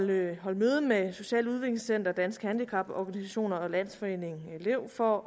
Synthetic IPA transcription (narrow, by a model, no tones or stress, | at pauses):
ɦɒ̽lmøːð̞̩ˠmeso̝ɕɛ̰ːləuð̞ˠʋe̝ɡ̥le̝ŋsen̰d̥ɐd̥æn̰sɡ̥hænd̥ikʰɑ̈b̥ɒɡ̥ænisæɕo̝̰ːnɐɒ̽læn̰sfɒ̽e̝̰ːne̝ŋle̝ʊ̰fɒ